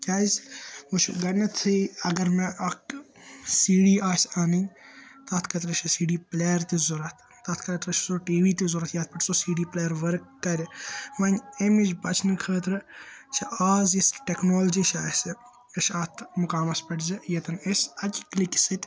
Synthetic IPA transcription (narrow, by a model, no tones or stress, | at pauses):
kʲaːzʲut͡ʃʰɡɐnɐt̪ʰiɐɡɐɾmẽʔɐk | siːɖiːaːsʲaːnint̪ɐːt̪ʰkʰɐt̪ɾɐʃʰisiːɖiːpleːjɐɾt̪izuɾɐt̪ʰ | t̪ɐːt̪ʰkɐɾt̪ɾɐt͡ʃsoʈiːʋiːt̪izuɾɐt̪ʰjaːt̪̚pɐʈʰsosiːɖiːpleːjɐɾʋɐɾkːɐɾʲiʋɐnʲemid͡ʒbɐt͡ʃʰnɨkʰəːt̪ɾɨt͡ʃʰiaːzjisʈeknoːld͡ʒiːʃʰaːsɐ | ɐʃaːt̪ʰmʊkaːmɐspɐʈzɐjɐt̪ɐnesʲɐkʲkliksit̪